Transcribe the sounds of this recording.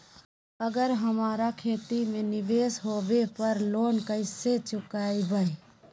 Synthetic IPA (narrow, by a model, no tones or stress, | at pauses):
əɡəɾɦəmaːɾakʰeːt̪imẽnɪʋeːsɦoːbepəɾloːnkəɪset͡ʃʊkaːibəi